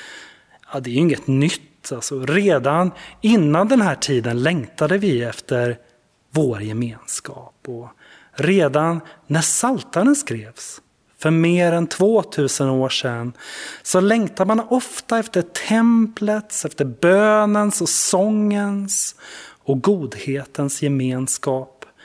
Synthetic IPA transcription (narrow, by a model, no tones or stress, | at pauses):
jɑːd̪ɛːjʏɪŋːət̪nʏt̪ʰːalsɔɾeːd̪anɪnːand̪ɛnɦæːʈʰiːd̪ənlɛŋt̪ad̪əvɪɛft̪əɾ | voːɾjɛmeːnskɑ̰ːpɔ | ɾeːd̪anːæʂalt̪aɾənskɾeːvs | fœɾmeːɾɛnt̪ʰvoːt̪ʰʉ̟ːsənoːʂɛnsɔlɛŋt̪ad̪manɔft̪aɛft̪əʈʰɛmplət̪sɛft̪əɾbøːnənsɔsɔŋːəns | ɔɡuːd̪heːt̪ənsjɛmeːnskɑːp